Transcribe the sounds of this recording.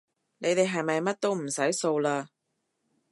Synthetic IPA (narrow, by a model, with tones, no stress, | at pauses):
ne˨˧jt̪e˨jɦɐ˨jmɐ˨jmɐ˥t̚t̪o˥wm̩˨˩sɐ˨˥jso˧wlaː˧